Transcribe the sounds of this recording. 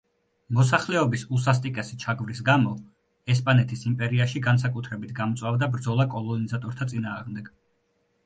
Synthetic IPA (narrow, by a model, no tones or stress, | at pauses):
mɔsaχlɛɔbisusas̬t̪ʼikʼɛsit͡ʃʰaɡvɾisɡamɔ | ɛspʼanɛt̪ʰisimpʼɛɾiaʃiɡansakʼut̪ʰɾɛbit̪ʰɡamɔt̪sʼwavd̪abɾd̪zɔlˠakʼɔlˠɔnizat̪ʼɔɾt̪ʰat̪sʼinaːʁmd̪ɛɡ̥